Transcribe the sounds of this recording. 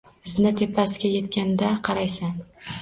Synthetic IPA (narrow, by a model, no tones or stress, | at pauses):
ɪznɪt̪ʰe̞pʰːasɪɡʲaje̞t̪kʲand̪aqʰɑɾajsan